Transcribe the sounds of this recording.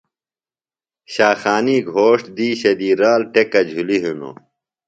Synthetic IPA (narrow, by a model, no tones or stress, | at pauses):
ɕaːxaːniːɡʱoːʂʈd̪iːɕɐd̪iːɾaːlʈekɐd͡ʑʱuliɦuno̰